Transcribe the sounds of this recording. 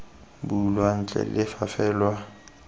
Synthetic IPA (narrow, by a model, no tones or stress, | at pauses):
bulwan̩t͡ɬʼɛ̰lɪfafɛːlwa